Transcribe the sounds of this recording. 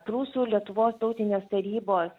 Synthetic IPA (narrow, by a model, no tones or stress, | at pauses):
pɾuːsuːlʲiɛt̪ʊʋoːst̪ɒʊt̪ʲɪnʲeːst̪ɐɾʲiːboːs